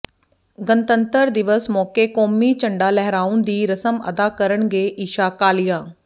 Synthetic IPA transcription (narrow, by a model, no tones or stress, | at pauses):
ɡənt̪ənt̪əɾd̪ɪʋəsmɔːkeːkɔːmiːt͡ʃəɳɖaːlɛɦɾaːund̪iːɾəsəmə̰d̪aːkəɾəɳɡeːʔiːʃaːkaːlɪjaː